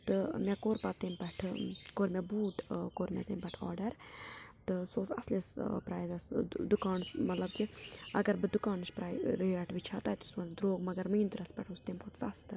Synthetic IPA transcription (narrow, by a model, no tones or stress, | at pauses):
t̪ɨmʲɛkoːɾpat̪ːempɐʈʰkoːɾmʲɛbuːʈkoːɾmʲɛ̰t̪eːmpɐʈʰɔ̰ːɾɖɐɾt̪ɨsoːsɐslispɾaːjd̪ɐsd̪ukaːnsmɐt̪lɐb̚kiɐ̰ɡɐɾbɨd̪ukaːnɨʃpɾaːjɾəɐʈʰʋit͡ʃʰaːt̪aːt̪usmɐd̪ɾoːɡmɐɡɐɾmɨjnt̪ɨɾɐspɐʈʰust̪emkʰot̪sɐst̪ɨ